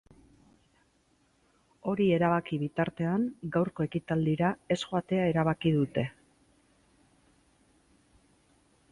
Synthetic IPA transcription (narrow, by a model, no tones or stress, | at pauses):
o̞ɾie̞ɾaβ̞akiβit̪aɾt̪e̞aŋɡawɾko̞e̞kit̪ald̪iɾae̞sxoat̪e̞ae̞ɾaβ̞akiðut̪e̞